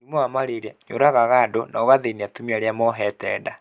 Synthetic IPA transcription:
imɔamaɾeɾɛɲo̰ɾaɣaɣadonaɣaðeniatumiaɾeamɔɦɛtɛːda

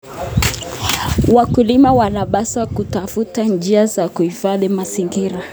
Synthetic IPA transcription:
wakulimawanaɓasakutafutand͡ʒiazakuhifaðimasiŋɡiɾa

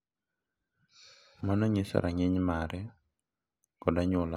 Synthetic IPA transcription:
manɔɲɪsɔ̰ɾʔaŋɪɲmaɾɛ | kɔdaɲɔla

